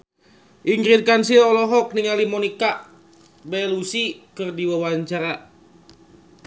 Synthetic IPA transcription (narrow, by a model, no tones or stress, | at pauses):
ʔiŋɡɾin̚kansilɔlɔɦɔk̚niŋalimɔnikaʔ | bɛlusikɨrdiwawaɲt͡ʃaɾa